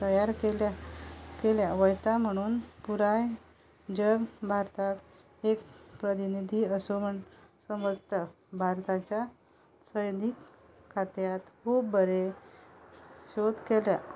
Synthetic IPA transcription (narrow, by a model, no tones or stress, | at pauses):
t̪əjaɾkelakeljaʋəjt̪am̤əɽ̃uːnpuɾaj | d͡ʑəɡbʱaɾt̪ak | ek̚pɾət̪inid̪ʱiəsom̤əɳsəməd͡zt̪a | bʱaɾt̪at͡ɕja | səjnikːʰ | at̪jat̪kʰubbəɾe | ɕod̪kelja̰